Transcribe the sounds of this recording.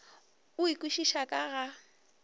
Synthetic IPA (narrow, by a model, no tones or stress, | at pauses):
ʊikʼwiʃiʃakʼaɣa